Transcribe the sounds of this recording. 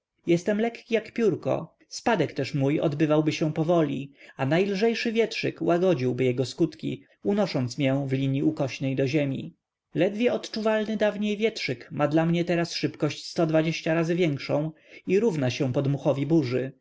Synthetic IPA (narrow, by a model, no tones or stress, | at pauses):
jɛst̪ɛmlɛkːʲijakpʲjuɾkɔ̰ | spad̪ɛkt̪ɛʂmujɔ̰d̪bɘvawbɘɕɛ̃pɔvɔlʲḭanajlʐɛjʂɘvʲjɛtʂɘkwʔaɡɔd͡ʑiwbɘjɛɡɔskut̪kʲḭ | unɔʂɔnt̪smʲjɛ̃vlʲiɲiukɔɕnɛjd̪ɔʑemʲḭ | lɛd̪vʲjɛɔt̪t͡ʂuvalnɘd̪avɲejvʲjɛtʂɘkmʔad̪lamɲɛt̪ɛɾasʂɘpkɔɕt͡ɕst̪ɔd̪vad͡ʑeɕt͡ɕaɾazɘvʲjɛŋkʂɔ̃w̃ | iɾuvnaɕɛ̃pɔd̪muxɔvʲibuʐɘ